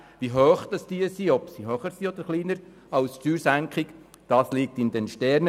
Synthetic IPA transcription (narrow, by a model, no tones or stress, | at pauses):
ʋiɦøːχd̥ɑsd̥iəsiɔpsiɦœːχəɾsiɔd̥̪əɾχliːnəɾ | ɑwstyːɾsæŋkχɪk | d̥ɑːslik̚tɪnd̪ɛnʃtɛɾnə